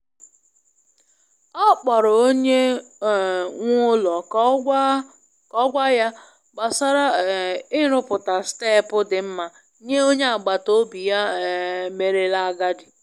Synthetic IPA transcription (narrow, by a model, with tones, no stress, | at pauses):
ɔ˦k͡pɔ˨ɾʊ˨o˦ɲe˦˨ | ŋʷʊ˦lɔ˨˦ | kɔ˦ɡʷa˦ja˦ | ɡ͡ba˨sa˦ɾa˦ɪ˦ɾʊ˦pʊ˨ta˨ste˦˨pʊ˦dɪ˨m̩˦ma˨ | ɲe˦o˦ɲe˦a˨ɡ͡ba˨to˦bi˨ja˦˨me˨ɾe˦la˦a˦ɡa˦dɪ˨